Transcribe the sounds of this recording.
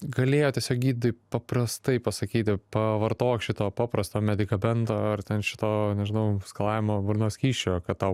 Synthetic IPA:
ɡɐlʲeːjoːt̪ʲiɛsʲoːk̚ɡʲiːt̪d̪ɐɪpɐpɾɐst̪ɐɪpɐsɐkʲiːt̪ʲɪpɐʋɐɾt̪oːkʃʲɪt̪oːpɑːpɾɐst̪oːmʲɛd̪ʲɪkɐbʲɛnt̪oːɐrt̪ʲɛnʃʲɪt̪oːnʲɛʒʲɪnɐʊskɐlˠɑːʋʲɪmoːbʊɾnoːsʲkʲiːʃʲt͡ʃʲoːkɐt̪̚t̪ɐʊ

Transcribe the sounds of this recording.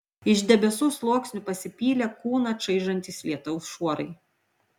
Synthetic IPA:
ɪʒʲd̪ʲɛbʲɛsuːslˠuːksʲnʲʊpɐsʲɪpʲiːlʲɛkuːnɐʃɐɪʒɐnʲt̪ʲiːslʲiɛt̪ʊʊsʃuɔɾɐɪ

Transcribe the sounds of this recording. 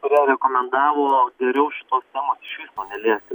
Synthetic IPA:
kʊɾʲiɛɾʲɛkoːmʲɛnd̪ɑːʋoːɡʲɛɾʲɛʊʃʲɪt̪oːst̪ʲæːmoːsɪʃʲʋʲiːspoːnʲɛlʲiɛst̪ʲɪ

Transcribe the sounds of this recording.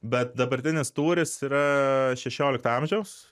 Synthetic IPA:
bʲɛt̪̚d̪ɐbɐɾʲt̪ʲɪnʲɪst̪uːɾʲɪsiːɾɐʃʲɛʃʲoːlʲɪkt̪ɐmʲʒʲɛʊs

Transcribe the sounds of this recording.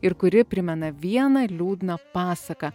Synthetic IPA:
ɪɾkʊɾʲɪpʲɾʲɪmʲɛnɐʋʲiɛnɐlʲuːd̪ʲnɐpɑːsɐkɐ

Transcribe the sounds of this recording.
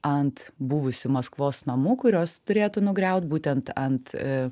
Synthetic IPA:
ɐnt̪buːʋʊsʲʊmɐskʋoːsnɐmuːkʊɾʲoːst̪ʊɾʲeːt̪ʊnʊɡɾʲɛʊt̪̚buːt̪ʲɛnt̪ɐnt̪

